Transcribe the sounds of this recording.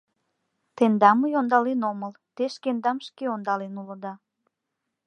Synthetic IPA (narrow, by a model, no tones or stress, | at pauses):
t̪end̪ɑmujond̪ɑlenoməl | t̪eʃkend̪ɑmʃkeond̪ɑlenulə̆d̪ɑ